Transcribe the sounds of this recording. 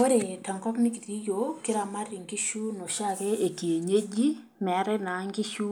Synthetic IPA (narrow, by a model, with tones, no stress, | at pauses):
o˦ɾe˨ta˨ŋkɔ˦kmɪ˦ki˨ti˦jo˨kɪ˦ɾa˨ma˦rɪ˨ŋɡi˦ʃu˦no˨ʃa˦˨ke˦e˨ki˨e˨ɲe˦d͡ʒi˦ | mɛ˨˦ɾɛ˦na˨˦ŋɡi˦ʃu˦